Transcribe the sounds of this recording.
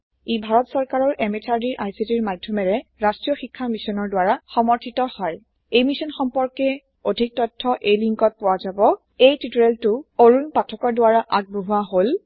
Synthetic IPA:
ibʱaɹɔtsɔɹkaɹɔɹʔɛmetʰaɹdiɹʔajsitiɹmadʱjɔmɛɹɛɹastɹijɔxikʰːamisɔnɔɹdwaɹaxɔmɔɹtʰitɔhɔj | ejmisɔnxɔmpɔɹkɛ | odʱik̚tɔtʰːɔʔejliŋkɔt̚pʊwazabɔ | ejtituɹɛltʊoɹunpatʰɔkɔɹdʊwaɹaʔaɡ̚buɦuaɦol

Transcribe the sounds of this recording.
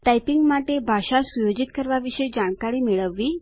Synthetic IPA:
ʈajpiŋɡmaʈebʱaɕasujod͡ʑit̪kəɾʋaʋiɕəjd͡ʑaɳkaɽiːmeɭəʋːiː

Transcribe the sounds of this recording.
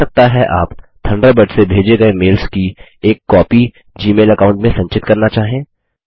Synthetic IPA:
ɐk̚t̪aɦɛʔaːpt̪ʰɐ̃ɳɖəbɐɖsebʱeːd͡ʒeɡɐemeːlski | eːkːɔːpi | d͡ʒiːmeːlɐkaːʊ̃ɳʈmẽsɐ̃ɲt͡ʃɪt̪kɐɾnat͡ʃaːɦẽː

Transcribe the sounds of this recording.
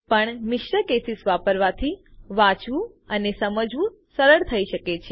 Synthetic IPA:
pəɳmɪʃɾəkesisʋapəɾʋat̪ʰiʋãt͡ʃʋũ | ənesəməd͡ʒʋũ | səɾəɽt̪ʰəiʃəket͡ʃʰe

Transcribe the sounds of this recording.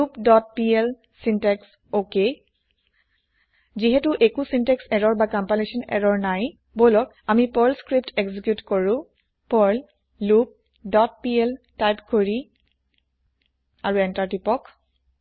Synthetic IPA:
lupdɔt̚piɛl | sintɛks | oke | ziɦɛtʊʔekusintɛksɛɹɔɹbakampalesɔnɛ̰ɹɔɹnaj | bolɔk | amipɔɹlskɹip̚tekzikjutkɔɹũ | pɔɹl | lup̚ | dɔt̚piɛltajpkoɹi | aɹuɛntaɹtipɔk

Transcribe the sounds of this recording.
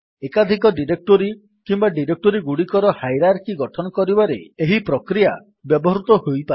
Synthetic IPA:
ekad̪ʱikɔɖiɾek̚ʈoɾi | kimbaɖiɾek̚ʈoɾiɡuɽikɔɾɔhajɾaɾkiɡɔʈʰɔnɔkɔɾibaɾḛeɦipɾɔkɾija | bjɔbɔɦɾut̪ɔhojpae

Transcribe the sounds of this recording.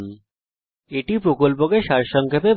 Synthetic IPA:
n | eʈipɾokolp̬okeʃaɾʃɔŋkʰepeb

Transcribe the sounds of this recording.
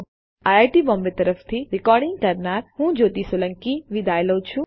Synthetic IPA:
ajajʈibɔ̃ːmbet̪əɾəft̪ʰiɾɪkɔːɾɖɪ̃ŋɡ̚kəɾnaɾhũd͡ʒoːt̪isoləŋkiʋid̪ʱajləut͡ʃʰũ

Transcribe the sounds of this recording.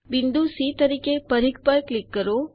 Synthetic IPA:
bɪnd̪usit̪əɾikepəɾik̚pəɾklikːəɾo

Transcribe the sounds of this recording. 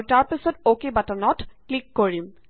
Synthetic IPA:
taɹpisɔtokebatanɔtklikːoɹim

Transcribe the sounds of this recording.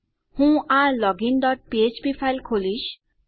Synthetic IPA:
hũãlɔɡinɖɔʈ̚piet͡ʃpipʰajlkʰolis

